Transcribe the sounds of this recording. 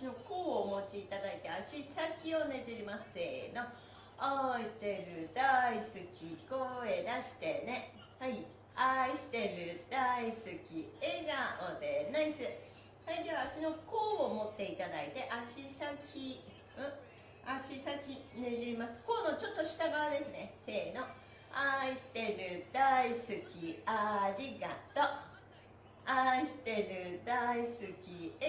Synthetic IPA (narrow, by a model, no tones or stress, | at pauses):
ɕino̞ko̞ːmo̞t͡ɕiːt̪ad̪ait̪e̞aɕisakʲio̞ne̞ʑiɾimaseno̞ | aisi̥t̪e̞ɾɯ̟d̪aisɨkʲiko̞ːe̞d̪aɕi̥t̪e̞ne̞ | hai | aiɕi̥t̪e̞ɾɯ̟d̪̥aisɨkʲieɡaod̪enaisɨ | haid̪e̞βaːɕino̞ko̞ːmo̞t̪ːe̞it̪ad̪ait̪e̞ʔaɕisakʲʰi | ɯ̃ | aɕisakʲineʑiimasɨ̥ko̞ːno̞t͡ɕo̞t̪ːo̞ɕi̥t̪aɡaβad̪e̞sɨne̞se̞ːno̞ | aiɕi̥t̪e̞ɾɯ̟d̪̥aisɨkʲiaɾʲiɡat̪o̞ | aiɕi̥t̪e̞ɾɯ̟d̪aisɨkʲi